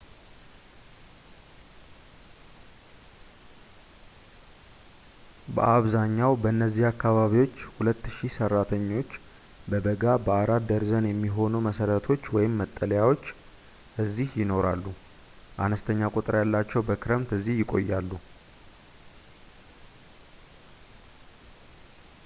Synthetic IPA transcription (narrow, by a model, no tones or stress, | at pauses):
bə̰ʔaβzaɲːawbəɨnːəzːihakːaβaβiwo̞t͡ʃːhulət̪ːɨʃisərːat̪ʰəɲːo̞t͡ʃː | bəbəɡabəaɾat̪d̪əɾzənjɛmːiɦo̞numəsəɾət̪ʰo̞t͡ʃːwɔjɪmːət̪ʼːələjawo̞t͡ʃː | ʔɨzːihjɪno̞ɾalːu | ʔa̰nəst̪ʰəɲːakʼut̪ʼɨɾjalːat͡ʃːɛwbəkʰɨɾəmt̪ɨzːihjɪkʼo̞̰jːalːu